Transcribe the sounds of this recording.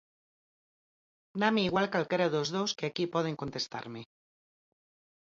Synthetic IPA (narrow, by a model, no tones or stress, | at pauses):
nameiɣwalkalkeɾaðozðoskeakipɔð̞eŋkont̪est̪a̰ɾme